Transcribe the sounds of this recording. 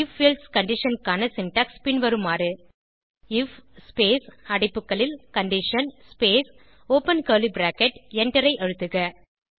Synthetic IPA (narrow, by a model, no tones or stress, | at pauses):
ɪfːiːlɖskɐɳɖɪʂɐnkaːnɐsɪnʈaːkspɪnʋɐɾɯmaːɾɯ | ɪfspeːsɐɽɪpːɯkːɐɭɪlkɐɳɖɪʂɐnspeːs | oːpɐnkɐːlibɾaːkɛʈɛɳɖɪɾɐɪʔɐɻɯt̪ːɯɣɐ